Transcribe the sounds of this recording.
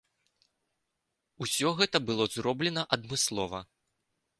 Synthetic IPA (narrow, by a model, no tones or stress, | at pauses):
usʲɔɣɛt̪ɐbɨlˠɔzrɔblʲɛnɐʔɐd̪mɨslˠɔvɐ̰